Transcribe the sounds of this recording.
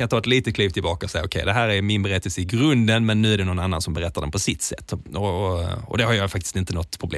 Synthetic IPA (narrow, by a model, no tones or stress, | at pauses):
ant̪ɑːɛt̪liːt̪ət̪kʰliːp̚t̪ɪlbɑːkaɔsɛjːaʊkʰɛjd̪ɛɦæːɾæɾmɪnbɛɾɛt̪ːəlsəɪɡɾɵnd̪ənmɛnːʉ̟ːæɖɛnɔnanːansɔmbɛɾɛt̪ːaɖɛnpʰɔsɪt̪ːsɛ̰t̪ːɔɔ̰d̪ɛhaɾjɑjfak̚t̪ɪ̥st̪ɪnt̪ənɔt̪ːpʰɾʊblḛ